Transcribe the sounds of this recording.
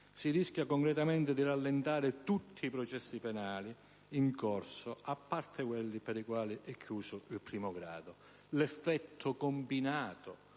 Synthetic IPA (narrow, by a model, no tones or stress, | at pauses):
siriskʲjakoŋkɾɛt̪amɛnt̪ɪd̪iralːɛnt̪aːɾɪt̪ut̪ʰːiːpɾɔt͡ʃɛsːipɛnaːli | iŋkɔrsʊapːart̪ʰɪkwɛlːipɛɾikwaːliʔɛkʰːjuːsʊilpɾiːmʊɡɾa̰ːd̪ʊ | lɛfːɛt̪ʰːʊkombinaːt̪ʊ